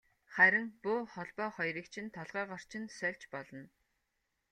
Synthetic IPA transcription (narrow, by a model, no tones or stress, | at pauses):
χæɾʲɪ̆ŋpʊːχɔɮpɔːχɔjɾiːkt͡ɕʰɪ̆nt̪ʰɔɮʁaːʁɔr̥t͡ɕʰɪ̆nsœɮt͡ɕpɔɮɞ̆n